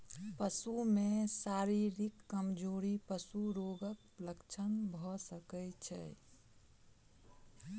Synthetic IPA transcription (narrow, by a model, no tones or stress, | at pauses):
pəsumesaɾiɾikːəmd͡ʒoɾipəsuɾoɡək̚ | ləkt͡ʃʰənbʱɔsəkɛt͡ʃʰɛ̰